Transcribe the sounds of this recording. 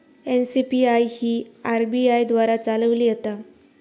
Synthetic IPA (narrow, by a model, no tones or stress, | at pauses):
ensipiajhiːaɾbiajd̪ʋaɾat͡saləʋliːjət̪a